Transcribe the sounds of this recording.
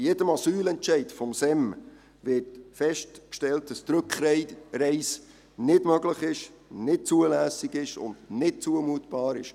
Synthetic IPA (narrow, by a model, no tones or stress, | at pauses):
jedəmɑsyːlɛntʃɛɪtfɔmsɛm | vɪrtfɛʃtkʃtɛlt̚d̥ɑst̪ɾʉkχɾɛɾɛɪs | nɪdmœɡləχɪʃ | nɪt̚t͡suəlæːsiɡɪʃʊ̰ndnɪt̚t͡suəmuətb̥ɑːɾɪʃ